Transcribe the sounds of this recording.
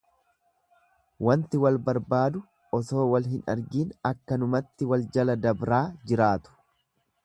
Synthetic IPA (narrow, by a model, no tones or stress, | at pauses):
wɐnt̪ɪwɐlbɐɾbaːd̪ʊ | ɔso̞ːwɐlɦɪnɐɾɡiːnɐkːɐnʊmɐt̪ːɪwɐld͡ʒɐlɐd̪ɐbɾaːd͡ʒɪɾaːt̪ʊ̥